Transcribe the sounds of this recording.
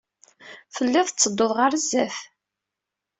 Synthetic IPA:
θəlːɪðˤt͡sːəd̪ːoðˤʁəɾəzːæf

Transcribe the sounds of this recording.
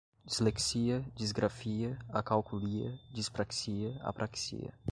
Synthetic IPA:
d͡ʒizleksiɐd͡ʒizɡɾafiɐakawkuliɐ̰d͡ʒispɾaksiɐa̰pɾʔaksḭɐ̰

